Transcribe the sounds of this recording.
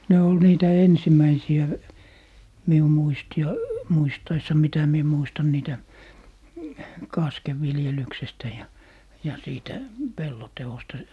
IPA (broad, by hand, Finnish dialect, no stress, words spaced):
ne ol niːtæ ensimˑæisiæ miu muisti ɑi muistɑisːɑ mitæ mie muistɑn niːtæ kɑskeʋ ʋiljelyksestæ jɑ jɑ siːtæ pelːo teostɑ